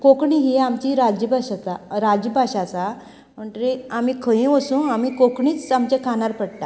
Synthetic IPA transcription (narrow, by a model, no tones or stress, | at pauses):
kokɳiɦiːamt͡ɕiɾad͡ʑbʱaɕat͡saɾad͡ʑəbʱaɕat͡sa | m̤əɳʈ̪ɾiamiːkʰə̃jĩʋəsũːamiːkokɳiːt͡samt͡ɕẽkʰanaɾpəɽt̪a